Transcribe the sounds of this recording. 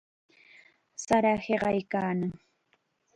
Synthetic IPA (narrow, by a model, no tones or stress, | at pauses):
saɾaheɢɑjkaːnaŋ